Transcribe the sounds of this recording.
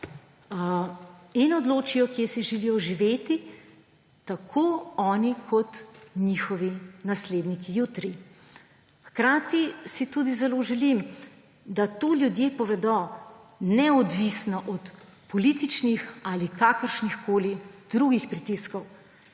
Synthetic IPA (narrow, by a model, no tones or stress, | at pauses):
inɔd̪loːt͡ʃijɔkjesiʒɛlijɔʒiʋeːt̪i | t̪akʰoːɔːnikʰɔt̪ɲixɔʋinasleːd̪nikijuːt̪ɾi | xkɾaːt̪isit̪ud̪izɛloːʒɛlim | d̪at̪oːljud̪jepɔʋɛd̪ɔ | nɛɔd̪ʋisnɔʔɔt̪ | pɔlit̪it͡ʃnixaːlikakəɾʃnixkoːlid̪̥ɾuɡixpɾit̪iskɔw